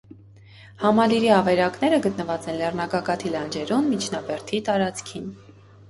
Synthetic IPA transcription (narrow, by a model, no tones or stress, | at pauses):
hɑmɑliɾiɑvɛɾɑkn̪ɛɾəɡət̪nəvɑt͡sɛnlɛrnɑkɑkɑt̪ʰilɑnd͡ʒɛɾunmit͡ʃʰnɑbɛɾt̪ʰit̪ɑɾɑt͡skʰin